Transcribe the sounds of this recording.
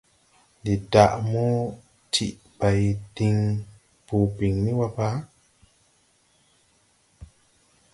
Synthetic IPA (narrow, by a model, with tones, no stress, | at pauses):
di˨ta˨ʔmu˦ | tʰi˨ʔ | ba˨jdi˧ŋ | pu˨bi˨ŋni˦wa˧pa˦